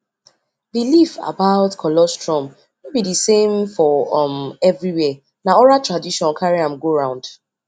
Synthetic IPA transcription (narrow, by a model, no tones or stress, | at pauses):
bilifa̰baʊtkʰɔlɔstɹɔ̃m | nobidisẽmfɔmɛvɹiwɛ | naɔɹatɹadiʃɔ̃nkʰaɹiãmɡoɹãʊ̃nd̥